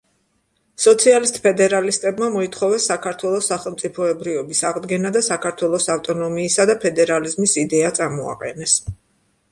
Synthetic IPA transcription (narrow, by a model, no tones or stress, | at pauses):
sɔt̪sʰialist̪ʼpʰɛd̪ɛɾalist̪ʼɛbmamɔit̪ʰχɔvɛsːakʰaɾt̪ʰwɛlˠɔsːaχɛlˠmt̪sʼipʰɔɛbɾiɔbisaʁd̪ɡɛnad̪asakʰaɾt̪ʰwɛlˠɔsaft̪ʼɔnɔmiːsad̪apʰɛd̪ɛɾalizmisid̪ɛat̪sʼaɾmɔa̰qʼɛ̰nɛs